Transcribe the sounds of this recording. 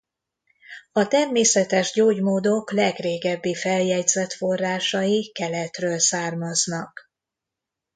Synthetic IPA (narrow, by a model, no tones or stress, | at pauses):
ɒt̪ɛrmeːsɛt̪ɛʒɟoːɟmoːd̪o̞klɛɡreːɡɛbːifɛljɛɟzɛt̪fo̞rːaːʃɒjikɛlɛt̪røːlsaːrmɒznɒk